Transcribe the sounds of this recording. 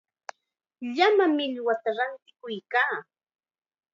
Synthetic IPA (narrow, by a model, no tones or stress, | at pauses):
ʎamamɪʎwat̪aɾant̪ɪ̥kʊjkaː